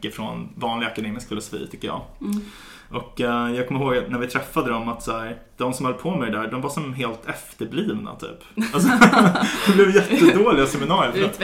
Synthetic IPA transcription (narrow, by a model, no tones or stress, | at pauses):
əfɾɔnvɑːnlɪɡakad̪eːmɪskfɛlʊsvḭːt̪ʰʏkːəjɑ̰ː | ʔɔkːjɑːɡkʰɔmːɪɾɦoːɡnæɾvɪt̪ʰɾɛfːad̪əd̪ɔmat̪sæːɾ | d̪̥ɔmsɔmhœlːpʰɔmɛjd̪æɖɔmvaʂɔmɦeːlt̪ʰɛft̪əɾbliːvna̰t̪ʰy̰ːpalsɔd̪̥ɛblɛvjɛt̪ːəd̪oːlɪɡasɛmɪnɑːɾjlfɾat̪